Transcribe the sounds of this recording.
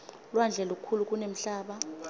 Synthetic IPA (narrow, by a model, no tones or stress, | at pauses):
lwand͡ɮʱɛluk̬ukʰuluk̬ʼunem̩ɬaːɓa